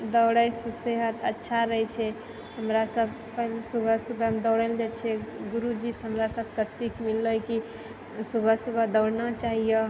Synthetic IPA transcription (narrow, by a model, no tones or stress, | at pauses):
d̪əwɽəjseseɦət̪ətːʃʰaɾəɦɛt͡ʃʰɛ | ɦəmɾasəbʱ | pəɦlesubʱəsubʱəmd̪ɔwɽəld͡ʒat͡ʃʰɛɡuɾud͡ʒisɦəmɾasəb̚ʱkəsikʰmilːəjki | subʱəsubʱəd̪əwɽnat͡ʃaɦijə